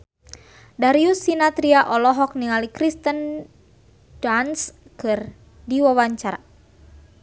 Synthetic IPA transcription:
daɾiusːinat̪ɾiaʔɔlɔɦɔk̚niŋalikɾist̪ən | danskɨr | diwawaɲt͡ʃaɾa̰

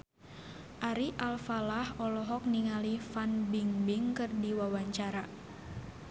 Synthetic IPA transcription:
ʔaɾiʔalfalahɔlɔɦɔk̚niŋalifanbiŋbiŋkɨrdiwawaɲt͡ʃaɾa

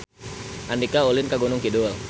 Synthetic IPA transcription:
ʔandikaulɪnkaɡunʊŋkidul

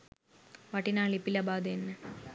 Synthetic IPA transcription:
ʋɐʈːinaːɭipːilɐbaːd̪ɐenːɨ

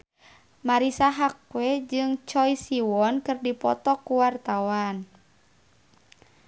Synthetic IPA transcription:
maɾisaɦakwɛd͡ʒɨŋt͡ʃɔjsiwɔnkɨrdipɔ̰t̪ɔkuwart̪awan

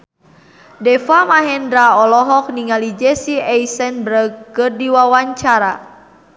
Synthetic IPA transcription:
dɛfamaɦɛndɾaɔlɔɦɔk̚niŋalid͡ʒɛsiɛjsɛnbɾəɡkɨrdiwawaɲt͡ʃaɾa

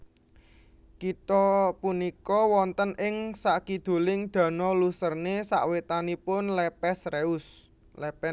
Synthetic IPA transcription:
kit̪ɔpunikɔwɔnt̪ənʔɪŋsaʔkid̪̥o̤lɪŋd̪̥ä̤nɔlusərnesa̰ʔwet̪anipʊnlepɛsɾeʊs | lɛpɛ

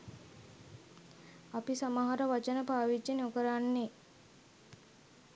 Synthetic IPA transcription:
apisamaɦaɾəʋat͡ʃənəpaːʋid͡ʒeneukəɾanːe

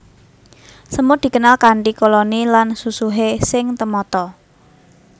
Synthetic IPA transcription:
səmud̪̥i̤kənalkaɳʈikolonilansusuɦesɪŋt̪əmɔt̪ɔ

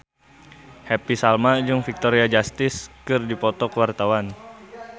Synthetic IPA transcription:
hɛpisalmad͡ʒuŋfik̚t̪ɔɾiad͡ʒast̪ɪskɨrdipɔt̪ɔkəwart̪awan

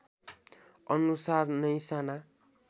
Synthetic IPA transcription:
ʌnusarnʌjsana

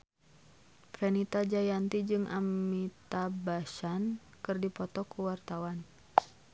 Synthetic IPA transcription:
pfɛnit̪ad͡ʒajant̪id͡ʒɨŋʔa̰mit̪abasan | kɨrdipɔt̪ɔkuwart̪awan

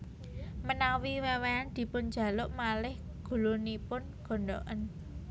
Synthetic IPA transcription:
mənawiweweand̪̥i̤pʊnd̥d͡ʒ̥ä̤lʊʔmalɪh | ɡ̥ṳlunipʊnɡ̥o̤nɖoʔən

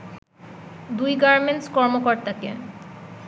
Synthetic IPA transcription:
d̪ujɡaɾmenʈskɔɾmokɔɾt̪akḛ

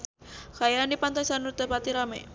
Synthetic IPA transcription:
kajanipant̪ajsanurt̪epat̪iɾamḛ

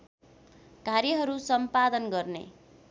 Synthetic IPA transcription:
kaɾjʌɦʌɾusʌmpad̪ʌnɡʌrnḛ

